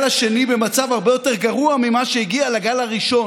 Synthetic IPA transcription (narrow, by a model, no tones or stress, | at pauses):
laʃe̞nibe̞mat͡savhaʁbejo̞teʁɡaʁuamimaʃeiɡialaɡalaʁiʃo̞